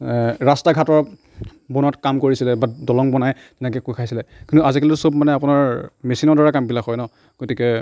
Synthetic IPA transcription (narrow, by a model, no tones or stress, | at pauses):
ɹastaɡʱatɔɹ | bɔnatkamkoɹisilɛbadɔlɔŋbɔnaj | tɛnɛkɛkukʰajsilɛkĩntuazikɛlɛtusobmanɛapʊnaɹmesinɔɹdaɹakambilakɔjnɔ | ɡ̥otikɛ